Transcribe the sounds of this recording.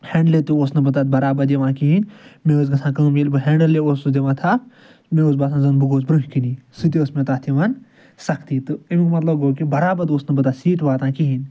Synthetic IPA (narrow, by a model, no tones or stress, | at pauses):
hẽɳɖlet̪uoːsnɐbɐt̪aːt̪̚bɐɾaːbɐd̪eʋãːkiɦinmẽoːs̬ɡɐsʰãːkɐ̃melbɨɦeːɳɖɐlːeoːsud̪eʋãːt̪ʰaːpʰ | mẽoːs̬baːt̪ʰãːzɐnbuɡoːsbɾuɦkiniːsɨt̪ioːsmẽt̪aːt̪ʰiʋan | sɐkʰt̪iːt̪ɨimkmɐt̪lɐb̚ɡoːkibɐɾaːbɐd̪oːsnɐbɐt̪aːt̪siːʈʋaːt̪ãːkiɦin